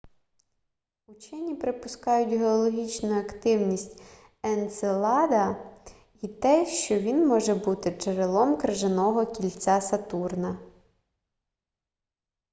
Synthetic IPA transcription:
ʊt͡ʃɛnʲipɾɪpʊskɑjʊtʲɦeɔlˠɔɦʲit͡ʃnʊjɐkt̪ɪwnʲisʲtʲ | ɛnselˠɑd̪ɐ | it̪ɛʃt͡ʃɔʋʲinmɔʒɛbut̪ɪt͡ʃeɾelˠɔmkɾeʒenɔɦɔkʲilʲt͡sʲasɐt̪urnɐ

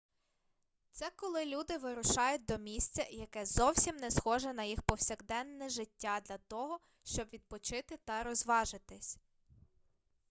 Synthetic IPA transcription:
t̪sɛkɔlˠɪlʲud̪ɪʋɪɾʊʃɑjʊt̚ʲd̪ɔmʲisʲt͡sʲɐjɐkɛzɔwsʲimnɛsxɔʒɛnɐjixpɔwsʲɐɣd̪ɛnːɛʒɪtʲːad̪lʲɐt̪ɔɦɔ | ʃt͡ʃɔbʋʲid̪̚pɔt͡ʃɪt̪ɪt̪ɐɾɔzʋɑʒɪt̪ɪsʲ

